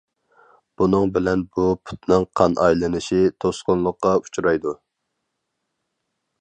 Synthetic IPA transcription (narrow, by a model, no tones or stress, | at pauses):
b̥unɨŋbɪlɛnbupʰu̥t̪nɨŋqʰɑnʔɑjlˠɨnɨʃit̪ʰosqʊnlˠʊqːɑu̥t͡ʃʰɾɑjd̪u